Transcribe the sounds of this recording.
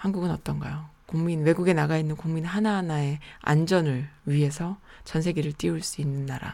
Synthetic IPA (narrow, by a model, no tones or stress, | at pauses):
hanɡuɡɯnʌt͈ʌnɡajokuŋminwe̞ɡuɡe̞naɡainːɯnkuŋminɦananae̞a̰nd͡ʑʌnɯɭɥiɦe̞sʰʌ | t͡ɕʌnsʰe̞ɡiɾɯɭt͈iuɭs͈uinːɯnːaɾa̰